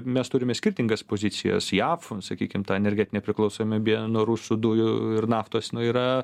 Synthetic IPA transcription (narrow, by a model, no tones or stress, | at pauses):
mʲɛst̪ʊɾʲɪmʲɛsʲkʲɪrʲt̪ʲɪŋɡɐspoːzʲɪt͡ssʲɪjɛ̰sjɑːfsɐkʲḭːkʲɪmt̪ɑːɛnʲɛɾʲɡʲæːt̪ʲɪnʲɛpʲɾʲɪklˠɐʊsoːmʲɪbʲiɛnuːɾusʊd̪ʊjʊɪrnɑːft̪oːsnʊiːɾɐ